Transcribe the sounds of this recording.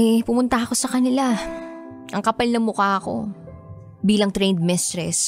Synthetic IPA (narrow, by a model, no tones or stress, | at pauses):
ɛpʊmʊnt̪ɐɐko̞sɐkɐnɪla | ʔɐŋkɐpɐlnɐŋmʊkaɐko̞̰ | biːlɐŋt̪ɾɛjnd̪̚mɪst̪ɾɛs